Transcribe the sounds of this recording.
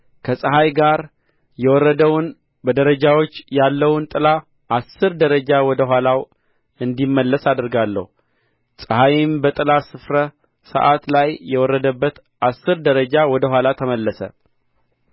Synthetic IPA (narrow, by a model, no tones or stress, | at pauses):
kʰəsʼəɦajɡaɾ | jɛwɔrːəd̪əwn | bəd̪əɾəd͡ʒawot͡ʃːjalːəwʊnt̪ʼɨla | ʔasːɨɾd̪əɾəd͡ʒawɔd̪əɦʷalaw | ɨnd̪imːəlːəsad̪ɨɾɡalːə̰hu | sʼəhajɪmbət̪ʼɨlasɨfɾə | sə̰ʔat̪lajjːɛwɔrːəd̪əbːət̪ | ʔasːɨɾd̪əɾəd͡ʒawɔd̪əɦʷalat̪ʰəməlːəsə̰